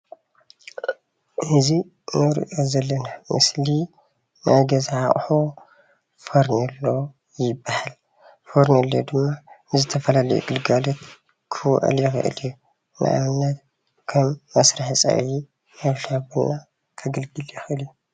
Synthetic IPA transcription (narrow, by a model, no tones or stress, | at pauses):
ɨzi | nɨɾ̰ʔozɐlːɐnamʔɨ̰sli | nʔaɡɐzʕaχʼħo | foɾnɐlːo | jɪbːahal | foɾnɐlːjod̪ɨmːanɨzɨt̪ʰɐfɐlalɐjṵɡɨlɡalot̪ | kʰɨwɔ̰ʔɨ̰ljɛxɨ̰ʔɨ̰lju | nʔɨ̰ʔa̰mɨnːɐt̪ | kʰɐmːɐsɾaħisʼɐ̰βʕi | nɐβɬabuna | kʰɐɡɨlɡɨljɛxɨʔɨlju